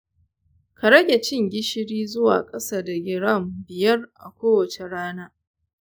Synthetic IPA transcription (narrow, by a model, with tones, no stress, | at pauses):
ka˨ɽɐ˦ɡʲe˨t͡ʃɪ˦ŋɡʲɪ˦ʃɪ˦ɽiː˦zʊ˦wa̰ː˨kʼɐ˦sa˦da˨ɡʲɪ˦ɽɐ˦˨mbɪ˨jɐ˦rʔa̰˨kʷoː˦wɐ˨t͡ʃe˨ɽaː˦naː˦